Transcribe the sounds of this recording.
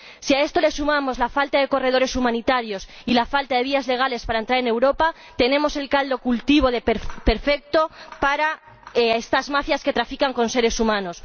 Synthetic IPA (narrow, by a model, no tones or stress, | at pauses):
siae̞st̪o̞le̞sumamo̞zlafalt̪aðe̞ko̞re̞ð̞o̞ɾe̞sumãnit̪aɾjo̞s | ilafalt̪aðe̞β̞iazle̞ɣ̞ale̞spaɾaent̪ɾaɾe̞ne̞wɾo̞pa | t̪e̞nẽ̞mo̞se̞lkald̪o̞kult̪iβ̞o̞ðe̞pe̞ɾfe̞k̚t̪o̞paɾa | ee̞st̪azmafjaske̞t̪ɾafikaŋko̞nse̞ɾe̞sumãno̞s